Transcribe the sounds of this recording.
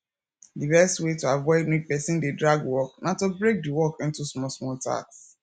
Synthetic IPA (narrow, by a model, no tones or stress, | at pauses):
dibɛstwetoavɔɪdmid̚pɛsĩndedɹaɡwɔknatobɹek̚diwɔkɪ̃ntusmɔsmɔlta̰ks